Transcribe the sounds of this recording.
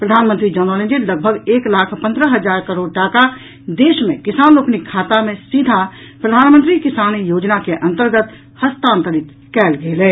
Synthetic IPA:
pɾəd̪ʱaːnmənt̪ɾid͡ʒɔːnəːlẽnd͡ʒeləɡ̚bʱəɡeːklaːkʰpə̃nd̪ɾəɦəd͡ʒaːɾkəɾoːɽ̚ʈaːka | d̪eːʃmḛ̃kɪsaːnloːknikʰːaːt̪amẽsid̪ʱa | pɾəd̪ʱaːnmə̃nt̪ɾikɪsaːnijoːd͡ʒnakeʔə̃nt̪əɾɡət̪ | həst̪ãːnt̪əɾɪt̪ | kɛːlɡeleː

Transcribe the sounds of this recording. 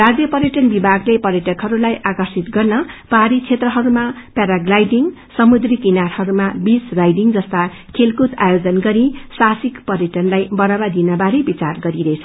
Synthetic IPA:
rad͡zjʌpʌɾjʌʈʌnbibʱaɡlepʌɾjʌʈʌkɦʌɾulajʔakʌrsit̪ɡʌrnʌpaɾit͡sʰet̪rʌɦʌɾumapaɾaɡlajɖiŋ | sʌmud̪rikinaɾhʌɾumabisrajɖiŋd͡zʌst̪a | kʰelkut̪ajod͡zʌnɡʌɾisasikpʌrjʌʈʌnlajbʌɾʌbad̪inʌbaɾebit͡sarɡʌɾiɾet͡sʰʌ̥

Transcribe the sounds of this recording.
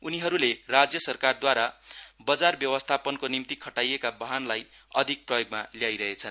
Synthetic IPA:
uniɦʌɾulerad͡zjʌsʌrkard̪waɾabʌd͡zarbjʌwʌst̪ʰapʌnkonimt̪ikʰʌʈajekabʌɦanlaj | ʌd̪ʱik̚prʌjoɡmaljajɾʌɦet͡sʰʌn

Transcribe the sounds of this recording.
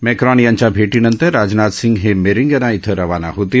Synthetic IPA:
mɛːkɾaːnjãːɲt͡ʃabʱeːʈinɐ̃nt̪əɾːaːd͡ʒnaːt̪sɪ̃ŋɡɦemeɾɪ̃ŋɡenãɪt̪ʰəɾɐʋaːna̰ɦut̪i

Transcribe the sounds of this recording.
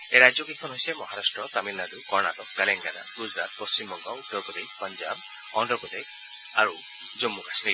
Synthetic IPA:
eɾad͡ʒjɔkit̪kʰɔnɦojsemɔɦaɾasʈɹɔt̪amilːad̪ukɔɾnat̪ɔk̚kaleŋɡana̰ɡud͡ʒɾat̪̚post͡ʃimbɔŋɡɔud̪ɔɾkɔd̪ekʰpɔnd͡ʒab | ɔnɖɔkɔd̪ekʰ | aɾu | d͡ʒomːukasni

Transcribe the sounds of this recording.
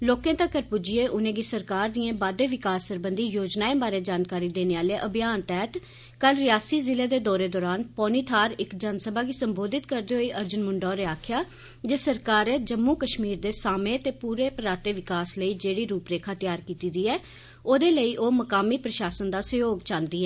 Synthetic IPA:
loːkẽːt̪ãːkəɾpʊd͡ʒieːʔʊnẽːɡisəɾkaːɾd̪ijãːbaːd̪eːʋɪkaːsːəɾbənd̪iːjoːd͡ʒnaːẽːbaːɾeːd͡ʒaːnkaːɾiːd̪eːneːaːleːʔəbɪjaːnt̪ɛːt̪ | kəlɾɪjaːsiːzɪleːd̪eːd̪ɔːɾeːd̪ɔːɾaːnpɔːniːt̪ʰaːɾɪkd͡ʒansəbaːɡisəmboːd̪ɪt̪kəɾd̪eːɦoːiːʔəɾd͡ʒənmʊɳɖɔːɾeaːkʰɪjaː | d͡ʒeːsəɾkaːɾeːd͡ʒəmːuːkəʃmiːɾd̪eːsaːmẽːt̪eːpuːɾeːpəɾaːt̪eːʋɪkaːsləiːd͡ʒeːɽiːɾuːpɾeːkʰaːt̪ɪjaːɾkiːt̪iːd̪iːɛː | oːd̪eːləiːʔoːməkaːmiːpɾəʃaːsənd̪aːsəjoːɡt͡ʃãːnd̪iːɦɛː

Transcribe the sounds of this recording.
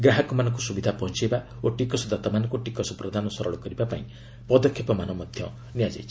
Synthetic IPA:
ɡɾaɦɔkɔmanɔ̃ŋkusubid̪ʱapɔɦɔnt͡ʃieba | oʈikɔsɔd̪ʱat̪ɔmanɔŋkuʈikɔsɔpɾɔd̪ʱanɔsɔɾɔɭɔkɔɾibapaĩ | pɔd̪ɔkʰːepɔmanɔmɔd̪ʱjɔ | nijad͡ʒa̰jt͡ʃʰi

